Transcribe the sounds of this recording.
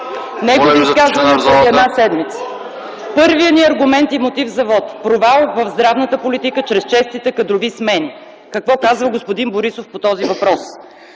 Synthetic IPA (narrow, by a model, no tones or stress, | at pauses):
nɛɡʊikazvəniɛd̪nasɛd̪mit̪sə̥ | pɤɾvijəniɐɾɡʊmɛnt̪imot̪ivzɐvɔt̪pɾovalˠvɐvzd̪ɾavnət̪əpolit̪ikət͡ʃɾɛst͡ʃɛst̪it̪ɛkɐd̪ɾʊvismɛni | kɐkvɔkazvəɡospod̪inboɾisofpot̪ɔzivɐpɾɔs